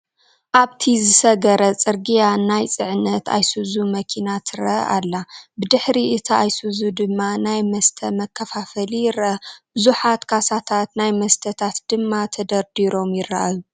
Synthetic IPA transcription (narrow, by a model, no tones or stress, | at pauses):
ʔaβt̪ʰizɨsɐɡɐɾɐt͡sʼɨɾɡijanajt͡sʼɨʕɨnːɐt̪ʰa̰jsɨzumɐkʰinat̪ʰɨɾɐ̰ʔʔalːabɨd̪ɨħɾiʔɨt̪ʰaajsɨzud̪ɨmːanajmɐst̪ʰɐmɐkʰːɐfafɐlijɪrɐɐb̥ɨzuħat̪kʰasat̪ʰat̪najmɐst̪ʰɐt̪ʰat̪d̪̥ɨmːat̪ʰɐd̪ɐɾd̪iɾo̞mjɪrːa̰ʔaju